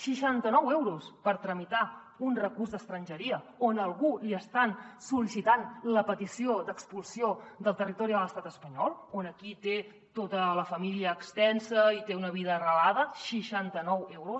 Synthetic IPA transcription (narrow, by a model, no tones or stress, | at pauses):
ʃiʃant̪ənɔwewɾuspəɾt̪ɾəmit̪a | unrəkurzd̪əst̪ɾənʲʒəɾiəonəlˠɣuliəst̪ansulisit̪anləpət̪isiod̪əkspulˠsiod̪əlˠt̪ərit̪ɔɾiələst̪at̪əspəɲɔlˠonəkit̪e | t̪ot̪ələfəmiliəːkst̪ɛnsəit̪eunəβiðəːrəlað̞əʃiʃant̪ənɔwewɾus